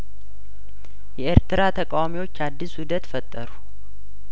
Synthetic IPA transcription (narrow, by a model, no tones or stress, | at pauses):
jɛeɾt̪ɨɾat̪ʰəkʼawamiwo̞t͡ʃːad̪ːishud̪ət̪fət̪ʼːəɾu